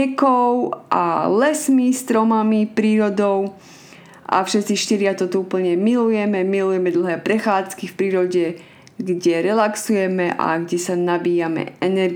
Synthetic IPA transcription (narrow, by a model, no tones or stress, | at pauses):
ɛkɔʊʔa̰lɛsmist̪ɾɔmamipɾiːɾɔd̪ɔʊ | ʔa̰fʃɛt͡siʃt̪iɾɪat̪ɔt̪ɔuːpl̩ɲɛmilujɛmɛmilujɛmɛd̪l̩ɦɛːpɾɛxaːt͡skifpɾiːɾɔɟɛ | ɡɟɛɾɛlaksujɛmɛʔa̰ɡɟɛsanabiːjamɛ̰ɛnɛɾ